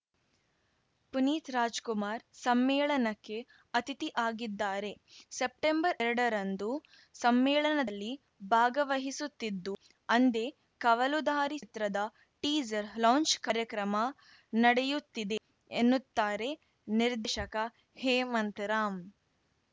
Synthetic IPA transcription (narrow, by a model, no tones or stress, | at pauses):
puniːt̪ɾaːd͡ʒkumaːɾsɐmːɛːɭɐnɐkːe̞ | ɐt̪it̪iʔaːɡid̪ːaːɾe̞sep̚ʈembɐɾɛɾɐɽɐɾɐnd̪u | sɐmːɛːɭɐnɐɐlːi | bʱaːɡɐʋɐɦisut̪ːid̪ːu | ɐnd̪e̞ | kɐʋɐlud̪ʱaːɾit̪ɾɐd̪ɐ | ʈiːd͡ʒɐɾlaːnt͡ʃkɐɾjɐkɾɐmɐ | nɐɽejut̪ːid̪e̞ː | nːut̪ːaːɾe̞ | niɾd̪ʱeʃɐkɐ | heːmɐnt̪ɾaːm